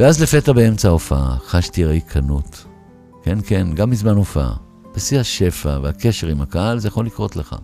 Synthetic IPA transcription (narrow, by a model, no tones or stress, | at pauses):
veazle̞fe̞tabee̞mt͡saofaaχaʃtiʁjkʰanut | ke̞nkenɡamːizmanofa̰ | b̥esihaʃe̞faveake̞ʃe̞ʁimakahalzejaχo̞likʁo̞tleχa̰